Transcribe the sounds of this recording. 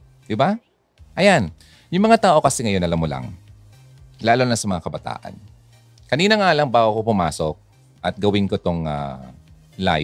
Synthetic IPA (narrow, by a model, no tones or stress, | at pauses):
d̪ɪba | ʔɐjan | jʊŋmɐŋat̪aːʔo̞kɐsɛŋɐjo̞nɐlɐmola̰ŋ | laːlonɐsɐmɐŋakɐbɐt̪a̰ːʔɐ̰n | kɐniːnɐŋaːlɐŋbaːwokopʊma̰ːsok̚ | ʔɐt̪̚ɡɐwɪnkot̪oŋa̰ | la̰ːj